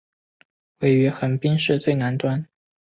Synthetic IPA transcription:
we˥˩ɪy˧˥xə˧˥npi˥ŋʂɻ̩˥˧t͡swe˥˩ɪna˧˥nt̪wa˥n

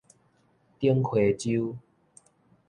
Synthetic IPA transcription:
t̪ji˦˧˦ŋkʰwe˨˩t͡ɕu˦

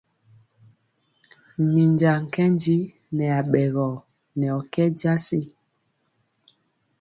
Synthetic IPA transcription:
mi˨ɲd͡ʒa˨ŋ̩˨kɛ˦nd͡ʒi˦ | nɛ˨a˨ɓɛ˨ɣɔ˨ | nɛ˨ɔ˨kɛ˦d͡ʒa˦si˦

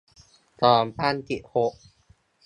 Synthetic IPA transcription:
t̪ɔː˧˩mpaː˥˨nt̪i˨˩ʔho˨˩ʔ̚

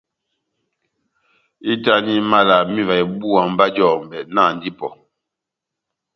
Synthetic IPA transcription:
i˦ta˦ni˦ma˦la˨mi˦va˨i˨bu˦a˨m̩˦ba˦d͡ʒɔ˦˨m̩˨bɛ˨ʔna˦˨n̩˦di˦pɔ˨

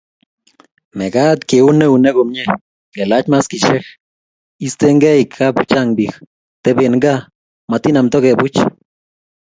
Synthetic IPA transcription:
me˨ɡa˦t̪ke˨u˦ne˦u˨ne˦ɡo˨mɲe˦ | ke˨la˦t͡ʃma˦ski˨ʃe˦x | i˧˦st̪e˧˦ŋɡe˦jkʰːa˦bu˦t͡ʃa˦ŋbi˨x | t̪e˧be˨nŋɡa˦ | ma˨t̪i˦na˨mt̪o˦ɡe˨bu˦t͡ʃ

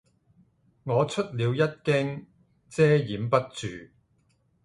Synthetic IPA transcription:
ŋɔː˨˧t͡sʰɵ˥t̚liː˨˧wjɐ˥t̚kɪ˥ŋ | t͡sɛː˥jiː˨˥mpɐ˥t̚t͡ʃyː˨

